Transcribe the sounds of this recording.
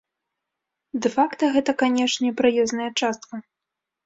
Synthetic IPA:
d̪ɛfakt̪ɐɣɛt̪ɐkanʲɛʂnʲɛpɾɨjɛznɐjɐt͡ʂast̪kɐ

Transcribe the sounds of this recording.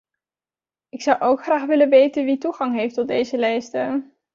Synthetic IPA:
ɪksʌwʔowkχraːχʋɪlənʋejtənʋituχɑŋɦejftɔd̚dejzəlɛjstə

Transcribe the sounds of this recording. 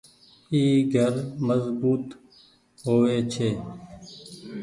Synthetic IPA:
iːɡʱəɾməzbuːt̪ | ɦoːʋeːt͡ʃʰeː

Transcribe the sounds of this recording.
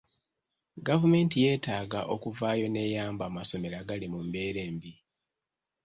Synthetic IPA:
ɡavume̞ːntije̞ːtaːɡaʔo̞kuvaːjo̞ne̞ːjaːmbaːmaso̞me̞ɾaɡalimumbe̞ːɾe̞ːmbi

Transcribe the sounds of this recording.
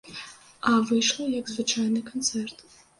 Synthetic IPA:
aːvɨiʂlajaɡzvɨt͡ʃʰaːnɨkʰont͡sʰertʰʼ

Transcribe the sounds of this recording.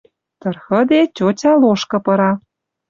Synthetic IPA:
t̪ɤ̆rxə̆d̪etʲot͡ɕʲɑloʃkɤ̆pɤ̆ɾɑ

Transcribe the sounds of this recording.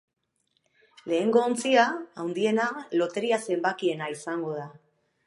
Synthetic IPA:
le̞ːŋɡo̞ːnt͡siaawnd̪ie̞nalo̞t̪e̞ɾiase̞mbakie̞naisaŋɡo̞ð̞a

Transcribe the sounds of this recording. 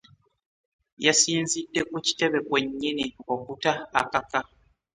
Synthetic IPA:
jasiːnzidːe̞kuci̥te̞βe̞kwe̞ɲːinio̞kutaːkaka

